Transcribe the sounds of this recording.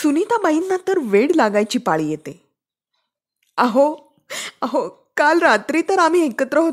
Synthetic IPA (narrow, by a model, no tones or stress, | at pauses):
sunit̪abainːat̪əɾʋeɽlaɡajt͡ɕiːpaɭiːjet̪e | aɦo | aɦo | kalɾat̪ɾiːt̪əɾam̤iːekət̪ɾəɦo